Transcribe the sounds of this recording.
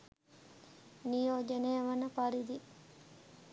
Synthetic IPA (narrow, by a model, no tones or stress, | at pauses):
nijoːd͡ʒenejəʋɐnəpaɾid̪i